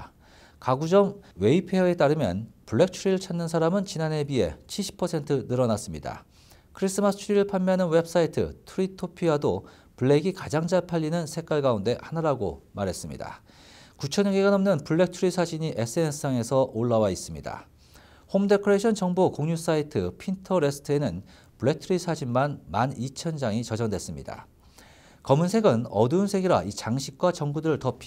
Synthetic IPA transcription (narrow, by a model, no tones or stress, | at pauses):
kaɡud͡ʑʌŋwe̞ipʰe̞ʌe̞t͈aɾɯmjʌ̰npuɭːe̞k̚t͡ɕʰuɾiɾɯɭt͡ɕʰanːɯnsʰaɾamɯnt͡ɕinane̞bie̞̰t͡ɕʰiɭɕ͈ʰi̥pʰʌsʰe̞ntʰɯnɯɾʌnas͈ɯmɲḭda̰ | kʰɯɾis͈ɯmasʰɯ̥t͡ɕʰuɾiɾɯɭpʰamːjanɯnwe̞p̚s͈aitʰɯ̰tʰuɾitʰopʰiado | puɭːe̞ɡikad͡ʑaŋd͡ʑaɭpʰaʎːinɯnsʰe̞k͈waɭɡaunde̞hanaɾaɡo̰maɾe̞s͈ɯmɲḭda̰ | kut͡ɕʰʌɲʌɡiɡanʌmnɯnpuɭːe̞k̚tʰɯɾisʰad͡ʑiɲiʔe̞s͈ɯeɯsʰaŋe̞sʰʌʔoɭːawais͈ɯmɲḭda̰ | homde̞kʰɯɾeɕʰʌnt͡ɕʌŋbokoŋɲus͈aitʰɯpʰintʰʌɾe̞sʰɯ̥tʰɯe̞nɯn | puɭːe̞k̚tʰɯɾisʰad͡ʑinmanmanit͡ɕʰʌnd͡ʑaŋit͡ɕʌd͡ʑʌŋdwe̞s͈ɯmɲḭda̰ | kʌmunsʰe̞ɡɯnʌdunsʰe̞ɡiɾait͡ɕaŋɕʰik̚k͈wat͡ɕʌŋbudɯɾɯɭtʌpʰ